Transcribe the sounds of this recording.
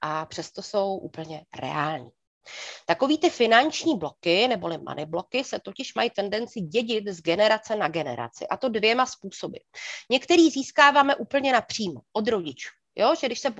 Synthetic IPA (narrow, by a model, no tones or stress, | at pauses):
ʔapr̥ɛst̪o̞so̞wʔṵːpl̩ɲɛɾɛ̰aːlɲiː | t̪ako̞viːt̪ɪfɪnant͡ʃɲiːblo̞kɪnɛbo̞lɪmʔa̰nʔɪblo̞kɪsɛt̪o̞cɪʃmajit̪ɛndɛnt͡sɪɟɛɟɪt̪zɡɛnɛɾat͡sɛnaɡɛnɛ̰ɾa̰t͡sɪ̰ʔat̪o̞dvjɛmaspuːso̞bɪ̰ɲɛkt̪ɛɾiːziːskaːvaːmɛʔuːpl̩ɲɛnapr̝̥iːmoʔod̪ɾo̞ɟɪt͡ʃu̥ː | jʔo̞ʒɛɡdɪʃsɛ